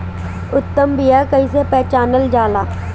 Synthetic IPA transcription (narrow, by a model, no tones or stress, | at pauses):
ʊt̪ːəmbijaːkəisepɛːt͡ʃaːnəld͡ʒaːlaː